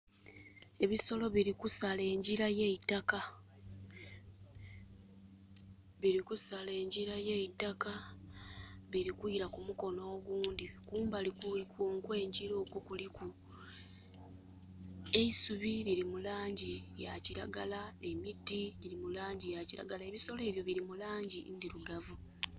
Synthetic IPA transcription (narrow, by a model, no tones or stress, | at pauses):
e̞βiso̞lo̞βiɾikusale̞ːɲɟiɾajeitaka | βiɾikusale̞ːɲɟiɾajeitaka | βiɾikwuiɾakumuko̞no̞ːɡuːndikuːmbalikulikuŋkwe̞ːɲɟiɾo̞ːkukuliku | e̞isuβiliɾimulaːɲɟijaciɾa̰ɡalae̞mitːiɟiɾimulaːɲɟijaciɾa̰ɡalae̞βiso̞le̞ːβjo̞βiɾimulaːɲɟindiluɡavu